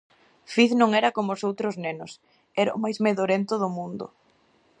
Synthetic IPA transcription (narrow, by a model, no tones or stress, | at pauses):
fiθnõŋɛɾɐkomʊsowt̪ɾʊznenʊs | ɛɾaʊ̰majzmeðoɾent̪ʊðʊmũnd̪ʊ̰